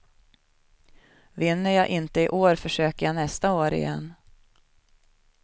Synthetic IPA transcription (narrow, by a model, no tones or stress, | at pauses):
vɪnːəjɑːʔɪnt̪əɪʔoːɾfœʂøːkəjaːnɛst̪aoːɾɪ̰jɛ̰nː